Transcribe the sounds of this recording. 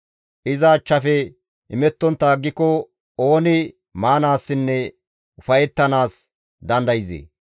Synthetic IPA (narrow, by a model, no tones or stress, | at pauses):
ʔɪzɐːt͡ʃːɐfɛ | ʔɪmɛt̪ːɔnt̪ːaːɡːɪkːɔ | o̞ːnɪ | maːnaːsːɪnːɛ | ʊfɐjɛt̪ːɐnaːs | d̪ɐnd̪ɐjɪzḛː